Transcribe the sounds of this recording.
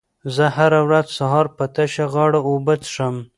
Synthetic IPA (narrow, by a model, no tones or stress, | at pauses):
zəhaɾawɾazsaɦɑɾpət̪aʃaɣɑɽaobət̪ʂəm